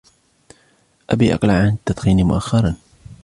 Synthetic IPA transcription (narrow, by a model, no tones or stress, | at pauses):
ʔabiːʔɑ̰qlaʕʕanɪt̪ːat̪ˤxiːnimʊ̰ʔaxːɑɾˤɑn